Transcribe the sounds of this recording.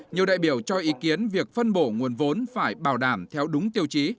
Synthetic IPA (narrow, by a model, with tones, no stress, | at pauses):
ɲi˨˩əwɗa̰ː˧˨jɓi˧˩əwt͡ɕɔ˧ʔi˨˦ki˨˦ənvi˨˩ək̚fə˧nɓo˧˩ŋu˨˩ənvo˨˦nfaː˧˩jɓaː˧˩wɗaː˧˩mt̪ʰɛ˧wɗʊ˨˦ŋ͡mt̪i˧əwt͡ɕi˨˦